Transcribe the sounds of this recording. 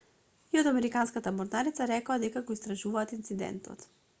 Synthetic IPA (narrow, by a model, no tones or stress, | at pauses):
iod̪amɛɾikanskat̪amɔɾnaɾit̪saɾɛkaad̪ɛkaɡɔist̪ɾaʒuvaːt̪int̪sid̪ɛ̰nt̪ɔ̰t̪